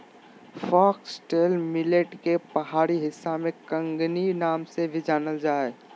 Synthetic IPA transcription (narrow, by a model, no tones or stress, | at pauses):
fɔːksʈeːlmɪleʈkepɐɦaːɾiɦɪsːamẽkə̃ŋɡninaːmsebʱid͡ʒaːnəld͡ʒaːe